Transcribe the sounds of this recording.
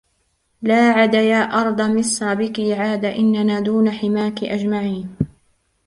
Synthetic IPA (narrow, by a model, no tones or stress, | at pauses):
laːʕad̪ajaːʔɑɾˤd̪ˤɑmɪsɑbɪkɪʕaːd̪aʔɪnːanaːd̪uːnaħɪmaːkɪʔad͡ʒmaʕiːn